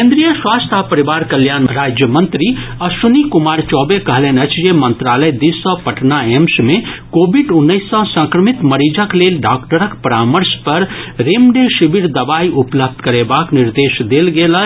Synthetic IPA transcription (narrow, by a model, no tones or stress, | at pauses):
kẽːnd̪ɾijəswaːst̪ʰapəɾiʋaːɾkəljaːnɾaːd͡ʒjəmə̃nt̪ɾiɐsunikʊmaːɾt͡ʃɔːbekɐɦlenɐt͡ʃʰjemə̃nt̪ɾaːləjd̪isːɔ̃pɐʈnaemsmẽkoːbiɖʊnːəɪsːɔ̃sə̃ŋkɾəmit̪mɐɾid͡ʒəkleːlɖaːkʈəɾəkpɐɾaːməɾspɐɾɾeːmɖeʃibiɾd̪ɐbaːiʊpləb̚d̪ʱkɐɾebaːknɪɾd̪eːʃd̪eːlɡeːla